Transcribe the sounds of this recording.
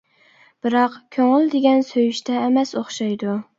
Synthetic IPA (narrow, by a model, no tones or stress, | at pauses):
b̥ɪɾɑqkʲʰøŋɪld̪eɡʲɛnsøjyʃt̪ʰɛːmɛsoχʃɑjd̪ʊ